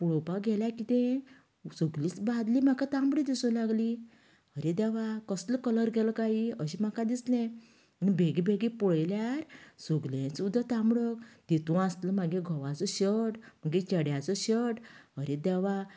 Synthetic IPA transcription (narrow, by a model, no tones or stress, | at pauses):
puɭɔpaɡʱɛljakit̪ɛ̃ | soɡliːt͡sbad̪lim̤akat̪ãmbɽid̪isɔlaɡli | əɾed̪ɛʋakəsləkələɾɡʱɛlɔkaɦiəɕim̤akad̪islɛ̃ | ənibʱeɡibʱeɡipɔɭjljaɾsoɡlẽt͡sud̪at̪ambɽəkd̪̥et̪ũast̪ləmaɡẽɡʱɔʋat͡sɔɕəɽm̤əɡet͡ɕəɽjat͡sɔɕəʈɦəɾed̪ɛʋa